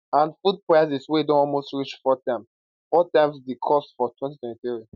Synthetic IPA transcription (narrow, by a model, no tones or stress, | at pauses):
ãnfud̚pʰɹaasiswɛidõnɔlˠmostɹit͡ʃfɔtʰãɪ̃m | fɔtãɪ̃msdikʰɔsfɔtʰwɛ̃ntitʰwɛ̃ntiθɹi